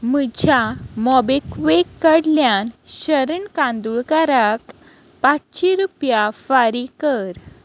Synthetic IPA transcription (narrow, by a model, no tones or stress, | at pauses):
məd͡ʑʱjamɔbekʋekːəɽljanɕəɾəɳkãnd̪uɭkaɾak | pat͡sɕiɾupjafaɾikəɾ